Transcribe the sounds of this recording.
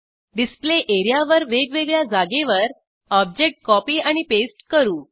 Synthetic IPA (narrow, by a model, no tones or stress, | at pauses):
ɖispleʔeɾjaʋəɾʋeɡʋeɡɭjad͡zaɡeʋəɾ | ɔb̚d͡ʑek̚ʈ̚kɔpiːaɽ̃ipesʈkəɾuː